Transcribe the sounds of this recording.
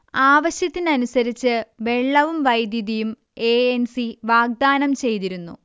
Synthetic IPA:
aːʋɐɕjɐt̪ːinɐnusɐɾit͡ɕːɨʋe̞ɭːɐʋumʋɐjd̪jɐðijum | e̞ensiʋaːɡ̚d̪aːnɐmt͡ɕe̞jt̪iɾunːṵ

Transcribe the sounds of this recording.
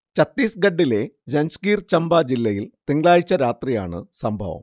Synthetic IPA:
t͡ɕɐt̪ːiːsɡɐɖːile̞d͡ʑɐnskiːrt͡ɕɐmbaːd͡ʑilːɐjilt̪iŋɡɭaːɻit͡ɕːɐɾaːt̪rijaːɳɨsɐmbʱɐʋɐ̰m

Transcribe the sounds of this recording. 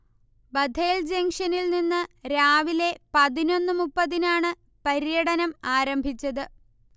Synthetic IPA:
bɐd̪ʱeːld͡ʑeŋʂɐnilninːɨɾaːʋile̞pɐðino̞nːɨmupːɐðinaːɳɨ | pɐɾjɐɽɐnɐmaːɾɐmbʱit͡ɕːɐðɨ

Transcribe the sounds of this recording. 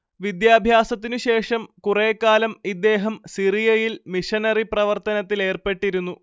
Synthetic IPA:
ʋid̪jaːbʱjaːsɐt̪ːinɨɕe̞ːʂɐmkureːkːaːlɐmid̪ːe̞ːɦɐmsirijɐjilmiʂɐnɐriprɐʋɐrt̪ɐnɐt̪ːile̞ːrpe̞ʈːiɾunːu

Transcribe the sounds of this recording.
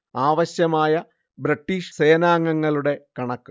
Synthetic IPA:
aːʋɐɕjɐmaːjɐ | bɾiʈːiːʂseːnaːŋːɐŋːɐɭuɽe̞kɐɳɐkːɨ

